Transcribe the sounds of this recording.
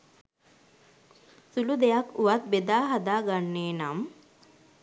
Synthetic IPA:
sulud̪ejakuʋat̪̚bed̪aːɦad̪aːɡanːeːnam

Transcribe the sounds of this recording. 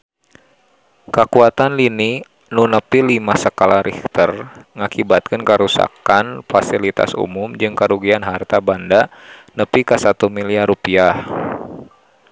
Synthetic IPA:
kəkuat̪anlini | nunəpilimasəkalaɾikt̪ərŋakibat̪̚kɨnkəɾusa̰kanfasilit̪a̰sṵmʊmd͡ʒɨŋkəɾuɡianɦart̪abandanəpikasat̪umiliarupiah

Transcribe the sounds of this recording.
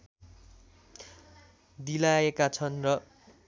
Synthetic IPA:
d̪ilaekat͡sʰʌnrʌ

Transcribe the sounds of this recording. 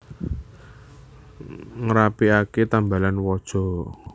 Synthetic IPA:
ŋɾapiaket̪ambalanwɔd̥ʒ̥ɔ̤

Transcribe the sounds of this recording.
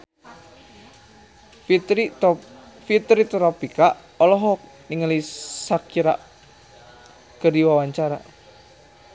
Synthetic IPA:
fit̪ɾit̪ɾɔpikaʔ | ɔlɔɦɔ | niŋəlisakiɾa̰ʔ | kərdiwawaɲt͡ʃaɾa̰

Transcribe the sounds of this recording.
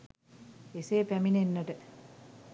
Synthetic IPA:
eseːpæminenːəʈə

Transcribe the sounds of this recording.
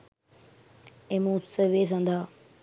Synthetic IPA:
ẽmũːsəʋeːs̬ãːnd̪aː

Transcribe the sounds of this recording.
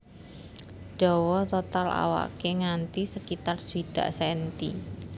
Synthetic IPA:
d͡ʒ̥ɔwɔt̪ot̪ala̰wa̰keŋant̪isəkit̪arswid̪̥a̤̰ʔsɛnt̪i

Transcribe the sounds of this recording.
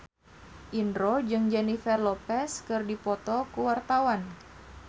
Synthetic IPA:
ʔindɾod͡ʒɨŋd͡ʒɛnifɛrlɔpɛskɨrdipɔt̪ɔkuwart̪awan

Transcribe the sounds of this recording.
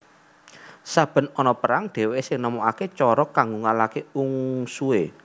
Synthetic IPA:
sab̥ə̤nɔnɔpəɾaŋɖ̪̥e̤wesɪŋnəmoaket͡ʃɔɾɔkaŋɡoŋalakeuŋsue

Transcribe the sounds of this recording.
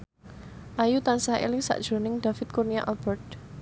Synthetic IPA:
ʔajut̪ansaḛlɪŋsa̰ʔd̥ʒ̥o̤nɪŋd̥̪ä̤fɪt̪̚kurniaʔalb̥ɛrd

